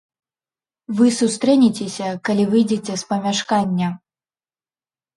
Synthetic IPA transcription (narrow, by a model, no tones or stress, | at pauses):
vɨsust̪ɾɛnʲit͡sʲesʲɐkalʲivɨjd͡zʲet͡sʲɛspɐmʲaʂkanʲːɐ